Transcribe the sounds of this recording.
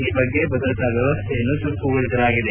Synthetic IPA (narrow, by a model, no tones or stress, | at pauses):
ibɐɡːe̞bɐd̪ɾɐt̪ɐʋjɐʋɐst̪ʰejɐnːut̪ukːuɡɐɭid̪ɐlaːɡid̪e